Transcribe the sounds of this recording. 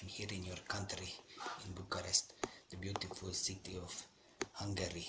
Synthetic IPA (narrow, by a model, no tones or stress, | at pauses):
nhiɾĩnjɔrkãntɾiĩnbukaɾɛstd̪əbjutifulsitiɔf | hãŋɡəɾi